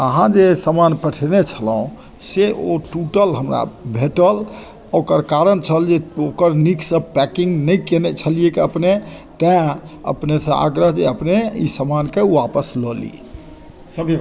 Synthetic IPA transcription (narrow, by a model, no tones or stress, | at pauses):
əɦãd͡ʒesəmanpəʈʰenet͡ʃʰəlũ | seʔoʈuʈəlɦəmɾa̰bʱeʈəl | okəɾkaɾənt͡ʃʰəld͡ʒeokəɾniksəb̚pɛkĩŋɡnəjkenɛt͡ʃʰəlijekeəpnet̪ɛ̃ə̰pnesə̃a̰ɡɾəɦd͡ʒḛəpneḭsəmankewapəslɔlḭ | əb